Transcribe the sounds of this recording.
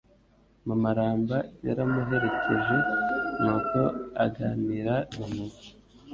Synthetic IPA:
mumaɾaːmbaja̰ɾamuɦe̞ɾe̞ke̞ʒe̞nuko̞aɡaːniɾaimuzi̥

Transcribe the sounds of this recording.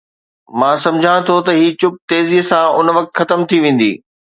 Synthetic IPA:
mãːsɐ̃md͡ʑʱãt̪ʰot̪ɐɦiːt͡ɕʊp̚t̪eːzisãʔʊnʋɐk̚t̪xɐt̪əmt̪ʰiʋẽːn̆d̪ḭː

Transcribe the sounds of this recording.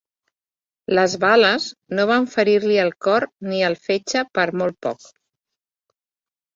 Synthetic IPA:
ləzβaləznoβaɱfəɾiɾliəlˠkɔɾniəlˠfet͡ʃəpəɾmolˠt̪̚pɔ̰k

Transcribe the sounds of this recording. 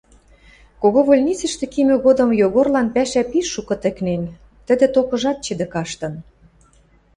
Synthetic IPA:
koɣoβolʲnʲit͡sə̆ʃt̪ĕkimʲø̆ɣod̪ɤ̆mjoɣorlɑnpæʃæpiʃːukɤ̆t̪ə̆knen | t̪ə̆d̪ĕt̪okɤ̆ʒɑt̪̚t͡ɕə̆d̪ĕkɑʃt̪ɤ̆n

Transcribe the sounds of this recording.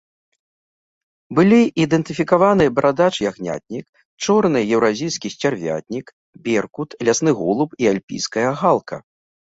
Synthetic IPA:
bɨlʲiʔid̪ɛnt̪ɨfʲikavanɨjɐbɾʔad̪at͡ʂɨjaɣnʲa̰t̪̚ʲnʲik̚ | t͡ʂɔrnɨjɛwɾazʲijskʲisʲt͡sʲarvʲa̰t̪ʲnʲik | bʲɛrkut̪lʲasnɨɣɔlˠupialʲpʲḭjskɐjɐɣalˠkʰɐ̰

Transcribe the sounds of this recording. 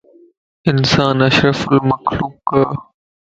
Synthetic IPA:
ɪnsaːnɐʃɾəfʊlmɐxluːkkːɐ

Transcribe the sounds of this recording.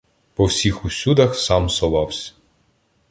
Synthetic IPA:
pɔwsʲixʊsʲud̪ɐxsɑmsɔʋɑwsʲɐ̥

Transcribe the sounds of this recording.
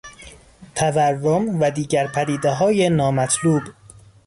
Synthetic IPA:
t̪ʰæværːomvæd̪iːɟæɾpʰæd̪iːd̪eɦɒːje̞nɒːmæt̪ʰluːb

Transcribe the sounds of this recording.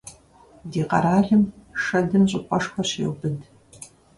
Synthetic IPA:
diːqɐ̰ɾaːɮɨmʂɐdɨmɕʼɪqʷʼɔʂxʷɐɕḛːwbɨd

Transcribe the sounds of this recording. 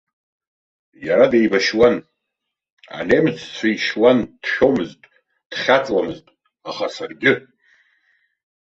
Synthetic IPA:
jaɾadejbaʃwan | a̰nejmɨt͡sʰt͡sʷʰaiʃwand̥ʃᶣo̞mɨztʼ | d̥χʲat͡sʼlamɨztʼ | aχasarɡʲɪ

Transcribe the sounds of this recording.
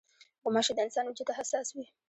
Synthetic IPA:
ɡɔmaʃid̪ansanud͡ʒit̪aɦasaswi

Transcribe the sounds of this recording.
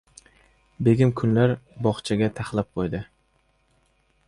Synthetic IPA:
be̞ɡʲɪmkʰʊnlaɾbɒχt͡ʃʰaɡʲat̪ʰaχlˠap̚qʰojd̪ɪ

